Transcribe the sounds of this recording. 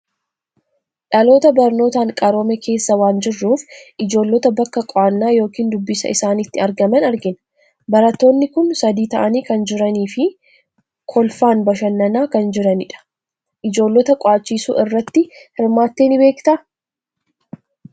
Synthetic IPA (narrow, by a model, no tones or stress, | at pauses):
ᶑɐlo̞ːt̪ɐbɐɾno̞ːt̪aːŋkʼɐɾoːmɛkʰe̞ːsːɐwaːnd͡ʒɪrːuːfʔɪd͡ʒo̞ːlːɔt̪ɐbɐkːɐkʼɔanːaːjo̞ːkiːnd̪ʊbːɪsɐ̰ʔɪsaːnɪt̪ːɪɐɾɡɐmɐnɐɾɡɪn | bɐɾɐt̪ːo̞ːnːɪkʊnsɐd̪iːt̪ɐʔɐniːkɐnd͡ʒɪɾɐniːfɪ | kʰɔlfaːnbɐʃɐnːɐnaːkɐnd͡ʒɪɾɐnɪᶑɐ̥ | ʔɪd͡ʒo̞ːlːɔt̪ɐkʼɔaːt͡ʃːiːsṵːʔɪrːɐt̪ːɪhɪɾmaːt̪ːeːnɪbe̞ːkt̪ɐ